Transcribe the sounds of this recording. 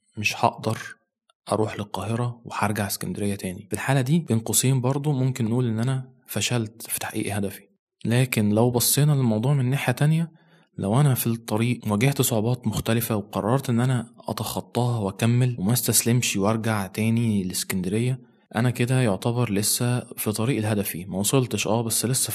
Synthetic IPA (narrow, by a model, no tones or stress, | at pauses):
meʃħɑ̰ʔd̪ɑɾˤ | ʔɑ̰ɾˤuːħlelqɑːheɾɑweħɑɾˤɡaʕeskænd̪eɾejːæt̪æːnifilħaːlæd̪iːb̥enqosˤiːmbɑɾˤd̪ˤomomkenːʔuːlʔenːʔænæ | fæʃælt̪fi̥t̪ḁħaʔḭːʔhæd̪æfi̥ | læːkenlæwbɑsˤːeːnɑlelmɑwd̪ˤuːʕmenːeħjæt̪ænjæ | læwʔænæfit̪ˤːɑɾiːʔwæɡeht̪sˤoʕobɑːt̪moxt̪ælɪfæweqɑ̰rˤːɑɾˤt̪ʔenːʔænæʔɑ̰t̪ɑxɑt̪ˤːɑːhɑwʔækæmːælwemæst̪æslemʃwʔɑɾˤɡaʕt̪æːnileskænd̪eɾejːæ | ʔænæked̪æjoʕt̪æbɑɾˤlesːæfit̪ˤɑɾiːʔelɦæd̪æfḭmæwɑsˤolt̪eʃʔæːbæsːlesːæ